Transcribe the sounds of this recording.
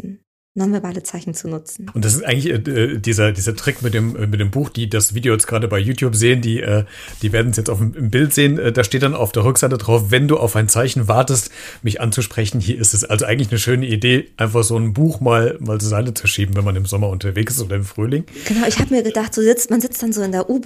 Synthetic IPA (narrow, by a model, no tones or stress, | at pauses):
nɔnvɛɐbaːlət͡saɪçn̩t͡sunʊt͡sn̩ʔʊntd̥as̬ɪstʔaɪɡŋtlɪçɛːɛːd̥iːzɐdiːzɐtʁ̥ɪkmɪtd̥eːmʔɛːmɪt̚d̥eːmbuːxd̥iːdasv̥iːdejoːjɛt͡sɡ̥ʁaːɾəbaɪjuːtʰjuːpz̥eːəndiːʔɛː | d̥iːveːɐdn̩sjɛt͡staʊfm̩ɪmbɪltz̥eːənʔɛːd̥aːʃteːt̚d̥ana̰ʊfd̥eːɐʁʏkz̥aɪtədʁaʊfvɛnduːʔa̰ʊfaɪnt͡saɪçn̩vaɐtəst | mɪçʔa̰nt͡suʃpʁ̥ɛçn̩hiːɐɪstɛsʔalzoʔaɪɡŋ̩tlɪçnəʃøːnəideːaɪnfaχz̥oːnbuːxmaːlmaːlzozaɪtət͡suʃiːbm̩vɛnmanɪmzɔmɐʊntɐveːksɪstʔoːdɐɪmfʁ̥yːlɪŋɡ̥ənaʊɪçhaːbəmiːɐɡədaχtz̥oːzɪt͡stmanzɪt͡std̥anzoːɪndeːɐʔuːb